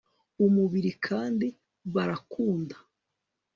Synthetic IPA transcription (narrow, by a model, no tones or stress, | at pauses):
umuβiɾikʰaːndi | βaɾakuːndḁ